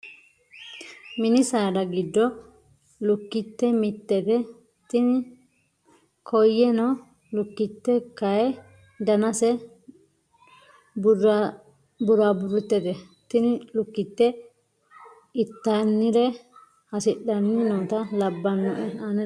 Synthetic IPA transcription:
mɪnɪsaːdɐɡɪd̪ːɔ | lʊkːɪt̪ːɛmɪt̪ːɛt̪ɛ | t̪ɪnɪ | kʰɔjːɛnɔ | lʊkːɪt̪ːɛkɐjɛ | d̪ɐnɐsɛ | b | bʊɾaːbʊɾʊt̪ːɛt̪ɛ | t̪ɪnɪlʊkːɪt̪ːɛ | ɪt̪ːanːɪɾɛ | hɐsɪɗːɐnːɪnoːt̪ɐlɐbːɐnːɔʔɛanɛ

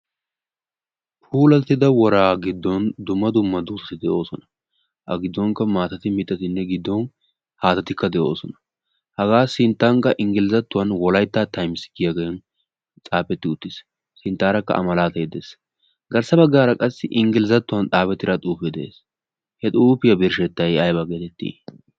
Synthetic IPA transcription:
fuːlɐt̪ːɪd̪ɐwɔɾaːɡɪd̪ːɔnd̪ʊmːɐd̪ʊmːɐd̪uːsɐsɪd̪ɛʔo̞ːsɔnɐ | ʔɐ̰ɡɪd̪ːɔŋkːɐmaːt̪ɐt̪ɪmɪt̪ʼːɐt̪ɪnːɛɡɪd̪ːɔn | haːt̪ɐt̪ɪkːɐd̪ɛʔo̞̰ːsɔnɐ̥ | hɐɡaːsɪnt̪ːaːŋkːɐʔɪŋɡɪlɪzɐt̪ːʊwɐnwɔlɐjt̪ːaːt̪ɐjmsɪɡɪjaɡeːn | t͡sʼaːpɛt̪ːɪʊt̪ːɪs | sɪnt̪ːaːɾɐkːɐ̰ʔɐ̰mɐlaːt̪ɐjɛd̪ḛːs | ɡɐɾsɐbɐɡːaːɾɐkʼɐsːɪʔɪŋɡɪlɪzɐt̪ːʊwɐnt̪ʼaːpɛt̪ːɪɾɐt̪ʼuːpɛd̪ɛḛːs | hɛt̪ʼuːpɪjɐbɪɾʃɛt̪ːɐjɐjbɐɡeːt̪ɛt̪ːḭː

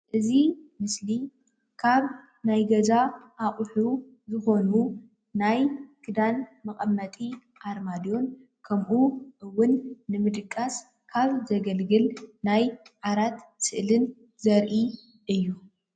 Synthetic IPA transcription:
ʔɨzimɨsli | kʰaβ | najɡɐzaʔaχʼħu | zɨxo̞nu | najkʰɨd̪anmɐkʼɐmːɐt̪ʼi | ʔaɾmad̪jo̞n | kʰɐmʔuʔɨwʊnːɨmɨd̪ɨkʼːas | kʰaβzɐɡɐlɡɨlnajʕaɾat̪sɨʔlɨn | zɐɾʔi | ʔɨjːu

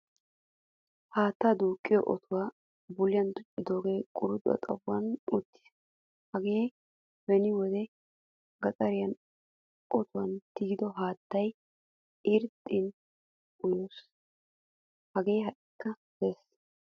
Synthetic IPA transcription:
haːt̪ːaːd̪uːkʼːɪjɔ̰ʔɔ̰t̪ʰʊwaː | bʊlɪjɐnd̪ʊt͡ʃʼːɪd̪o̞ːɡeːkʼʊɾʊd̪ʼʊɐ̰t̪ʼɐwːɐnut̪ːɪ̥s | hɐɡeː | bɛnɪwɔd̪ɛ | ɡɐt͡sʼɐɾɪjɐn | ʔɔt̪ʊwɐnt̪ɪɡɪd̪ɔɦaːt̪ːɐj | ɪɾt̪ʼːɪn | ʊjoːs | hɐɡe̞ːɦɐʔɪkːɐ | d̪eːs

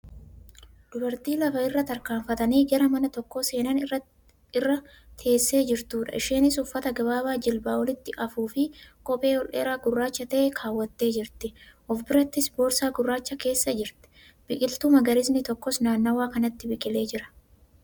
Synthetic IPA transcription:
d̪ʊbɐɾt̪iːlɐfɐɪrːɐt̪ɐɾkaːɱfɐt̪ɐniːɡɐɾɐmɐnɐt̪ɔkːoːse̞ːnɐn | ɪrːɐ | t̪ʰe̞ːsːe̞ːd͡ʒɪɾt̪uːᶑɐ̰ʔɪʃeːnɪsʊfːɐt̪ɐɡɐbaːbaːd͡ʒɪlbaːwɔlɪt̪ːɪʔɐfuːfɪkʼɔpʼe̞ːɔlʔḛːɾaːɡʊrːaːt͡ʃːɐt̪ɐʔɛkʰaːwːɐt̪ːe̞ːd͡ʒɪɾt̪ɪʔɔfbɪɾɐt̪ːɪsbo̞ːɾsaːɡʊrːaːt͡ʃːɐke̞ːsːɐd͡ʒɪɾt̪ɛ̥ | b̥ɪkʼɪlt̪uːmɐɡɐɾɪsnɪt̪ɔkːɔsnaːnːɐwaːkɐnɐt̪ːɪbɪkʼɪle̞ːd͡ʒɪɾɐ̥

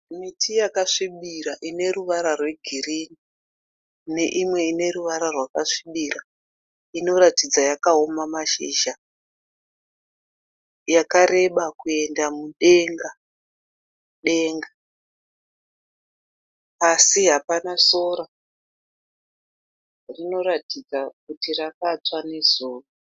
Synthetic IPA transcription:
mitʰijakaʂiɓiɾaʔine̞ɾuʋaɾarwe̞ɡʱirini | ne̞ʔimwe̞ine̞ɾuʋaɾarwakaʂiɓiɾa | ino̞ɾatid͡zajakaomamaʃḭːʒa | jakaɾe̞ɓakue̞ndamuɗe̞ŋɡa | ɗe̞ŋɡa | asiɦapanasoɾa | rino̞ɾatid͡zak̚utirakat͡swanezuːru

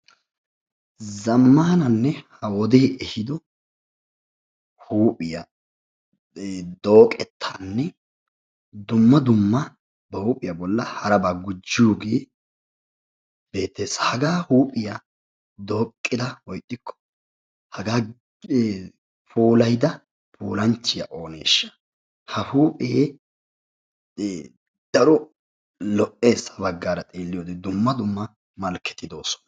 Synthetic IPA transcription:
zɐmːaːnɐnːɛhɐwɔd̪eːʔɛhɪd̪ɔ | huːpʼɪjɐ | d̪o̞ːkʼɛt̪ʰːaːnːɛ | d̪ʊmːɐd̪ʊmːɐ | bɐhuːpʼɪjɐbɔlːɐhɐɾɐbaːɡʊd͡ʒːɪjuɡeː | b̥e̞ːt̪ːeːsɐhɐɡaːhuːpʼɪja | d̪o̞ːkʼːɪd̪ɐwɔjt̪ʼːɪkʰːɔ̥ | hɐɡaː | pʰoːlɐjd̪ɐ | pʰoːlɐnt͡ʃːɪjɐ̰ʔo̞ːne̞̰ːʃːɐ̥ | hɐhuːpʼeː | d̪̥ɐɾɔ | lɔʔeːsːɐ̥bɐɡːaːɾɐt̪ʼeːlːɪjoːd̪ɛd̪ʊmːɐd̪ʊmːɐ | mɐlkːɛ̥t̪ːɪd̪o̞ːsɔ̥nɐ̥

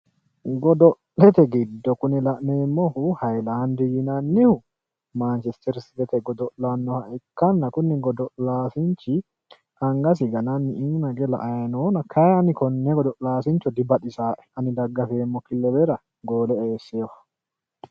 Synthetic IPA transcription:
ɡɔd̪ɔʔlɛt̪ɛɡɪd̪ːɔkʊnɪlɐʔneːmːɔhʊhɐjlaːnd̪ɪjɪnɐnːɪhʊ | maːnt͡ʃɛst̪ɛɾsɪd̪ɛt̪ɛɡɔd̪ɔʔlɐnːɔhɐʔɪkːɐnːɐkʊnːɪɡɔd̪ɔʔlaːsɪnt͡ʃɪ | ʔɐŋɡɐs̬ɪɡɐnɐnːɪɪnnɐɡɛlɐ̰ʔɐjɐnoːnɐkʰɐjɛɐnɪkɔnːɛɡɔd̪ɔʔlaːsɪnt͡ʃːɔd̪ɪbɐɗɪsaːʔɛ̥ɐnɪd̪ɐɡːɐfeːmːɔkɪlːɛbɛɾɐ | ɡo̞ːlɛeːsːeːwɐ̥

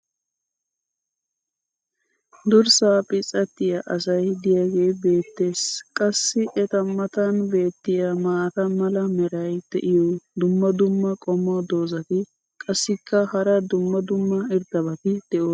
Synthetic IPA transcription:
d̪ʊɾsaːpʼɪt͡sʼːɐt̪ːɪjaʔɐsɐjd̪ɪjaːɡe̞ːbe̞ːt̪ːe̞ːskʼɐsːɪʔɛt̪ɐmːɐt̪ɐnbe̞ːt̪ːɪjamaːt̪ɐmɐlɐmɛɾɐjd̪̥ɛ̰ʔɪjɔd̪ʊmːɐd̪ʊmːɐkʼɔmːɔd̪o̞ːzɐt̪ɪ | kʼɐsːɪkːɐhɐɾɐd̪ʊmːɐd̪ʊmːɐɪɾd̪ɐbɐt̪ɪd̪̥ɛʔoː

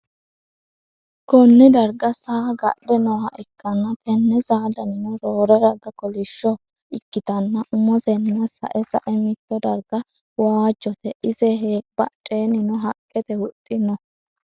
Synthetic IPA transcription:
kɔnːɪd̪ɐɾɡɐsaːɡɐɗɛnɔhɐʔɪkːɐnːɐt̪ʰɛnːɛzaːd̪ɐnɪnɔɾoːɾɛdɐɡɐkɔlɪʃːɔ | ɪkːɪt̪ɐnːɐʔʊmɔzɛnːɐsɐ̰ʔɛsɐ̰ʔɛmɪt̪ːɔd̪ɐɾɡɐ | waːd͡ʒːɔt̪ɛʔɪzɛɦeːpːɐt͡ʃʼeːnɪnɔɦɐkʼːɛt̪ɛhʊt̪ʼːɪnɔ

